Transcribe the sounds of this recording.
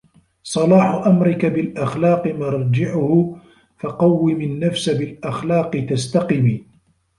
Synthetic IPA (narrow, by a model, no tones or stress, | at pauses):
sˤɑlɑːħʊʔamɾɪkabɪlʔaxlɑːqɨmɑɾˤd͡ʒɪʕʊhʊ | fɑqɑwːɪmɪnːafsabɪlʔaxlɑːqɨt̪ast̪ɑqɪmiː